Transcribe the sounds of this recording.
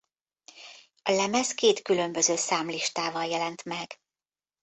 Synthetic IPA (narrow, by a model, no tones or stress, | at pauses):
ɒlɛmɛskeːt̪kylø̞mbøzøːsaːmliʃt̪aːvɒljɛlɛnt̪mɛɡ̥